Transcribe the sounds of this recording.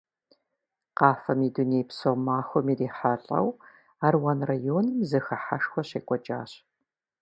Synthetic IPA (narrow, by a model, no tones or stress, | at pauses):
qɑːfɐmiːduneːjpsomaːxʷɔmiːriːħaɬʼɐ̰w | aːrwɐnrajoːnɨmzɨxɐħaʂxʷɔɕeːkʷʼɔd͡ʒʼaːɕ